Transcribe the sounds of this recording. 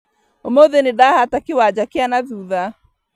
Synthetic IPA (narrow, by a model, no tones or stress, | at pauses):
omoðenedahatakewad͡ʒakɪanaðuːða